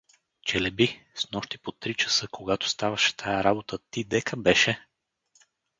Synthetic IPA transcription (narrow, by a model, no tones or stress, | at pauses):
t͡ʃɛlɛbisnɔʃt̪i̥pot̪ɾit͡ʃɐ̥sɤkoɡat̪o̥st̪avɐʃɛ̥t̪ʰajɐɾabot̪ət̪id̪ɛkʰəbɛʃɛ